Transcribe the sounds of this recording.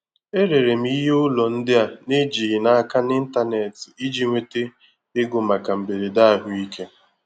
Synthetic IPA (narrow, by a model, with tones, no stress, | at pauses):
e˦ɾe˨ɾe˨m̩˦i˦ɦe˦ʊ˦lɔ˨n̩˦dɪ˦a˨ne˦d͡ʒi˨ɪ˨na˨a˦ka˦nɪ˦n̩˦ta˦ne˨ti˦d͡ʒi˦ŋʷe˦te˦ | ɪ˦ɡʊ˨ma˨ka˨m̩˨be˨ɾe˨da˦a˨ɦʊ˦i˦kʰe˦